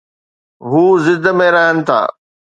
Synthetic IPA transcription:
ɦuːzɪd̪mẽɾaɦənɪ̆t̪ʰa̰ː

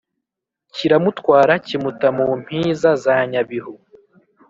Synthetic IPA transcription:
ciɾamutwaːɾacimutamuːm̥hiːzazaːɲaβihu

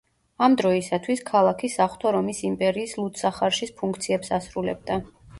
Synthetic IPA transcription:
amd̪ɾɔisat̪ʰwiskʰalˠakʰisaχwt̪ʰɔɾɔmisimpʼɛɾiːslˠut̪saχaɾʃispʰuŋkʰt̪sʰiɛpsasɾulɛ̰b̚d̪a

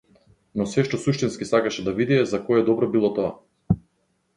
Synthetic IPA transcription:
nɔsɛʃt̪ɔsuʃt̪inskisakaʃɛd̪avid̪iɛzakɔɛd̪ɔbɾɔbilˠɔt̪ɔa̰

